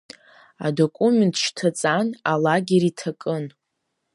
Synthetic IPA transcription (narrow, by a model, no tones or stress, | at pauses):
a̰do̞kʷʼumentʰʃtʰat͡sʼanalaɡʲeɾitʰakʼɨn